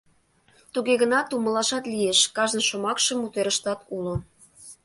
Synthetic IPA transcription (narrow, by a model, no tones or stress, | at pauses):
t̪uɣeɣə̆nɑt̪uməlɑʃɑt̪lieʃkɑʒənʃomɑkʃə̆mut̪eɾə̆ʃt̪ɑt̪ʰulo